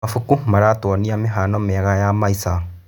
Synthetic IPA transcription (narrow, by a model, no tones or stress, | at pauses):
afukumaɾatwɔniameɦanɔmɛɣajamaisa